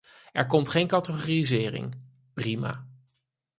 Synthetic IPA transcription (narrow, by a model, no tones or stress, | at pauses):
ɛɹkɔmtχejnkɑtəχoːrizɪːrɪ̰ŋ | prima̰ː